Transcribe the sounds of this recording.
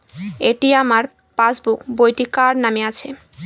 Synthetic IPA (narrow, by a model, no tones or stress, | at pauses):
eʈiamaɾ | pasbukbojʈikaɾnameat͡ɕʰe